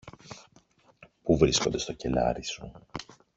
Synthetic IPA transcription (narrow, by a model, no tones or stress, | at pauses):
puvɾisko̞nd̪e̞st̪o̞ce̞lɐ̰ɾisu